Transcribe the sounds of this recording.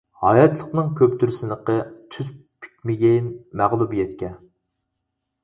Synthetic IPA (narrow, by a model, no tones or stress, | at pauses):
hɑjɑt̪lˠəqnɨŋkʲʰøp̚t̪ʰyɾysɪnəqət̪ʰyzpʰi̥kʲmɪɡʲɛjinmæʁlˠubjɛt̪kʲʰɛ